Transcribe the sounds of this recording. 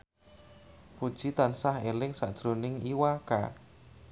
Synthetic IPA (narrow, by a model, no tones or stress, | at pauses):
pud̥ʒ̥it̪ansahelɪŋsa̰ʔd̥ʒ̥ɾonɪŋiwaka̰